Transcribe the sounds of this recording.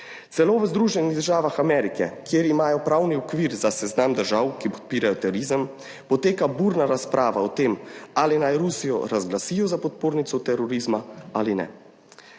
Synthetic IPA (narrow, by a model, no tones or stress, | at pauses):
sɛloːʋəzd̪ɾuːʒɛniɣd̪əɾʒaːʋaxamɛːɾikɛkjeːɾimaːjɔpɾawniɔkʋiːɾzasɛznamd̪əɾʒawkipɔ̥t̪̚piːɾajɔt̪ɛɾoɾizəm | pɔt̪eːkabuːɾnaɾaspɾʔaːʋaɔt̪eːmaːlinajɾusijɔ̰ɾazɡlasijɔzapɔt̪̚poːɾnit̪sɔt̪ɛɾɔɾizmaaːlinɛ̰